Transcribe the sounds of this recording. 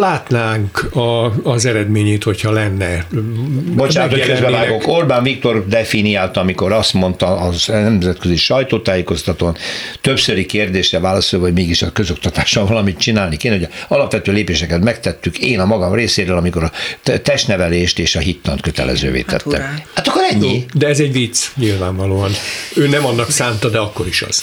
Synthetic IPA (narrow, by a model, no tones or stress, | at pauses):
laːt̪naːŋkɒːzɛɾɛd̪meːɲeːt̪ho̞chɒlɛnːɛ | bot͡ʃaːnʰoɛkɛbɛvaːɡo̞kko̞rbaːnvik̚t̪o̞rd̪ɛfinijaːlt̪ɒɒmiko̞ɾɒst̪mo̞nt̪ɒːznɛmzɛt̪kø̞ziʃɒjt̪oːt̪aːjeːko̞st̪ɒt̪ont̪ø̞psøɾikeːrd̪eːʃrɛvaːlɒsojvɒɟmeːɡiʃɒkøzo̞k̚t̪ɒt̪aːʃɒɱvɒlɒmit̪t͡ʃinaːlnikeːnɛɦoɟɛɒlɒpʋɛt̪øːleːpeːʃɛkɛt̪mɛkt̪ɛt̪ːykeːnɒmɒɡɒmreːseːɾøːlɒmiko̞ɾɒt̪ɛʃt̪nɛvɛleːʃt̪eːʃɒɦit̪ːɒnt̪̚køt̪ɛ̰lɛ̰zø̰ːvḛːt̪ɛ̰t̪ːɛ̰mhaːt̪ɒkːoɾɛɲːid̪ɛɛzɛɟvit̪sɲilvaːɱvɒloːɒnøːnɛmɒnːɒksaːnt̪ɒd̪ɛɒkːo̞ɾiʃɒ̰z̥